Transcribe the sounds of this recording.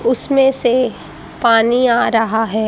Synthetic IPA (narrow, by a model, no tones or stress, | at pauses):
ʊsmẽse | paːniaːɾɐɦaɦɛː